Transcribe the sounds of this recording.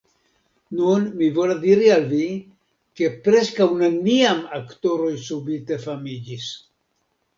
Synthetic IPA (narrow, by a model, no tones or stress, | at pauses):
nunmivo̞ladiɾialvi | ke̞pɾe̞skawneniamakto̞ɾo̞jsubite̞famid͡ʒis